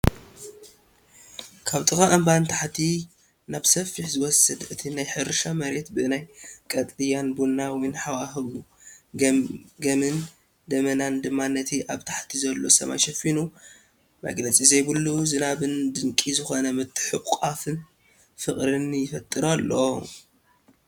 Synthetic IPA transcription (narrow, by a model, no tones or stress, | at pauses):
kʰaβt̪ʼɨkaʔɐmbant̪ʰaħt̪ʰi | naβsɐfːiħzɨwɔsɐd̪ʔɨt̪ʰinajħɨɾʃamɐɾe̞t̪bɨnajkʼɐt̪ʼlɨjanbunːawjnħawaɦɨβu | ɡɐmɨn | d̪ɐmɐnand̪ɨmːanːɐt̪ʰiʔaβt̪ʰaħt̪ʰizɐlːo̞̰sɐ̰ma̰jʃɐfinu | mɐ̰ɡlɐt͡sʼizɐjbɨlːuzɨnaβɨnd̪ɨŋkʼizɨxo̞nɐmɨt̪ʰːɨ̥ħɨʔʼafɨn | fɨχʼɾɨnjɪfɐt̪ʼːɨɾalːo